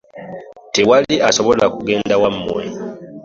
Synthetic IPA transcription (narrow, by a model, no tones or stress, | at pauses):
tewaliʔaso̞βolakuɡe̞ːndawamːwe